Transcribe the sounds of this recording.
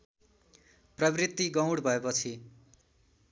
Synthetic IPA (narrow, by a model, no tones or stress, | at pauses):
prʌbrit̪ːiɡʌ̃w̃ɽbʱʌepʌt͡sʰi